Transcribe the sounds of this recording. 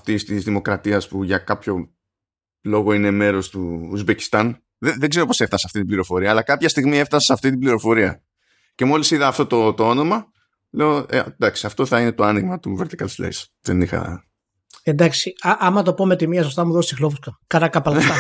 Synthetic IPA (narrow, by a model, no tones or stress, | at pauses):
ɐft̪ist̪izðimo̞kɾɐt̪iɐspuʝɐkɐpço̞ | lo̞ɣo̞ine̞me̞ɾo̞st̪uuzbe̞ci̥st̪ɐn | ðeðeɡzeɾo̞po̞se̞ft̪ɐseɐft̪it̪ibliɾo̞fo̞ɾiɐːlɐkɐpçɐst̪iɣmie̞ft̪ɐsesɐft̪it̪̬ibliɾo̞fo̞ɾiɐ̰ | ce̞mo̞lisiðɐːft̪o̞t̪ot̪oono̞mɐ | le̞oed̪ɐksiɐft̪o̞θɐine̞t̪o̞ɐniɣmɐt̪uveɾt̪i̥kɐlslḛjs | ðenixɐ̰ | end̪ɐksiɐʔɐmɐt̪o̞pomet̪imiɐsost̪ɐmuðossixlofuskɐkɐɾɐkɐpɐlɐ